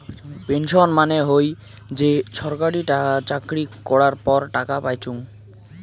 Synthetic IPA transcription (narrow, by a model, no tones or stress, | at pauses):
penʃonmaneɦoj | d͡ʑeʃʰɔɾkaɽiʈaat͡ɕakɾikɔɽaɾpɔɾʈakapajt͡ɕʰuŋ